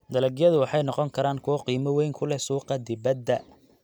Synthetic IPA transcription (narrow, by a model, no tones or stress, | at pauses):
d̪ɐlɐɡjɐðʊwɑħɑjnɔqɔŋkʰɐɾaːŋkʰʊwɑqiːmɐwɛjŋkʰʊlɛsuːqɑd̪ɪβɐd̪ːɐ